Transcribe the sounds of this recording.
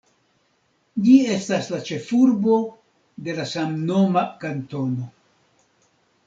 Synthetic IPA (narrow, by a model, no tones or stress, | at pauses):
d͡ʒie̞staslat͡ʃe̞fuɾbo̞ | d̪e̞lasamnomakanto̞no̞